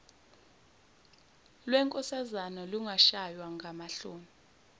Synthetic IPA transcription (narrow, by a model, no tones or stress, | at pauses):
lwɛŋkʼɔsazanɔluŋʱaʃajwaŋɡʱamaɬoːmi